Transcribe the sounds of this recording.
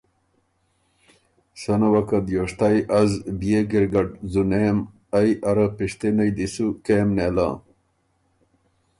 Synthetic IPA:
sɐnɐwɐkɐd̪joʂt̪ajʔɐzbijeɡiɾɡɐʈ̚zunem | ajʔɐɾɐpiʂt̪enɐjd̪isukeːmnelã̰ː

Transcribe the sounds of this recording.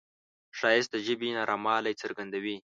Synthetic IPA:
ʃɑjɪst̪̚əʒəbinɑɾʔɑmɑlajt͡səɾɡand̪awi

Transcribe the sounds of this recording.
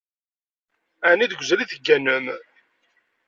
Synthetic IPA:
æniðəɡʷzæliθəɡːænəm

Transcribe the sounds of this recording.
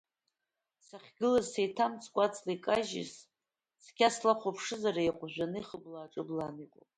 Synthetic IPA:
saχʲɡɨlazsejtʰamt͡sʰʼkʷʼat͡sʰʼlikʼaʒɪ̰s | skʲaslaχʷopʰʂɨzaraeqʷʼʒʷᶣanɨiχəblaːʈ͡ʂʼɨblaniqʷʼo̰

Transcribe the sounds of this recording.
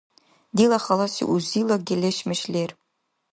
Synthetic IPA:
d̪ilˠɑχɑlˠɑsḭʔuzilˠɤɡʲelʲeɕmɘ̆ɕlʲerʲ

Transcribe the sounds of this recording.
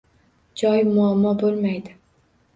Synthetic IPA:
d͡ʒɒjmʊamːɒbolˠmajd̪ɪ

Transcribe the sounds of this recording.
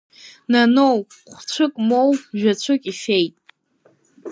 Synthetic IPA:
nanowχʷt͡ɕʷʰɨkʼmowʒᶣat͡ɕʷʰɨkʼiʃejtʼ

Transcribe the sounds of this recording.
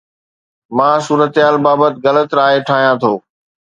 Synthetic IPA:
mãːsuːɾət̪ɦaːlbaːbət̪ɪɣɐlət̪ɾaːɦeʈʰaːɦijãt̪ʰoː

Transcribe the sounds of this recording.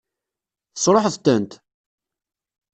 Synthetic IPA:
θə̥sˤɾˤoħəðt̪ːənt̪

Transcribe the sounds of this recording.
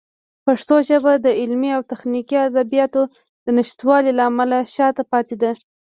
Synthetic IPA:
paʂt̪oʒəbad̪əɪlmiawt̪axnikiad̪abijɑt̪o | d̪̥ənɪʃt̪wɑlilaamalaʃɑt̪apɑt̪ed̪a

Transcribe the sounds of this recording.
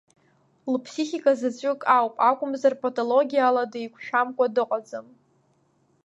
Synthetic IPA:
lpʰsiχʲikʼazat͡sʷʼʏkʼawpʼakʷʼʊmzarpʰʼotʰʼolo̞ɡʲijaladajkʷʰʃᶣamkʷʼadɨqʼad͡zɨm

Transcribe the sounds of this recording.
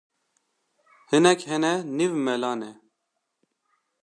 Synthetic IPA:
hɨnɛkhɛnɛnivmɛlɑːnɛ

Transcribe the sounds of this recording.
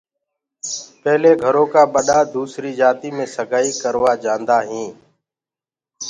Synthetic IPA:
pɛːleːɡʱəɾõːkaːɓəɗaːd̪uːsɾiːd͡ʒaːt̪iːmẽːsəɡʱaːiːkəɾʋaːd͡ʒãːnd̪aːɦĩː

